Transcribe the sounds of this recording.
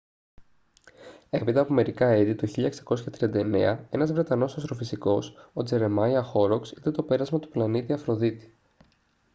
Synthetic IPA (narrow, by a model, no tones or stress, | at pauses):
e̞pit̪ɐːpo̞me̞ɾikɐeðit̪uçiʎɐeksɐ̥ko̞sçɐt̪ɾiɐnd̪ɐene̞̰ɐe̞nɐzvɾe̞t̪ɐno̞sɐst̪ɾo̞fisiko̞so̞d͡ze̞ɾe̞mɐjɐxo̞ɾoksit̪ɐt̪o̞pe̞ɾɐzmɐt̪u̥plɐnit̪iɐfɾo̞ðit̪i̥